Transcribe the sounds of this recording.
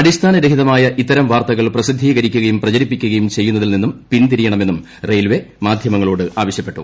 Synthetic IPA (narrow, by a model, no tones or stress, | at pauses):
ɐɽist̪ʰaːnɐɾe̞ɦiðɐmaːjɐʔit̪ːɐɾɐmʋaːrt̪ɐɣɐɭprɐsid̪ʱːiːɣɐɾikʲːuɣɐjumprɐt͡ɕɐɾipːikʲːuɣɐjumt͡ɕe̞jːunːɐðilninːumpint̪iɾijɐɳɐme̞nːum | rejlʋe̞maːd̪ʱjɐmɐŋːɐɭo̞ːɽɨaːʋɐɕjɐpːe̞ʈːṵ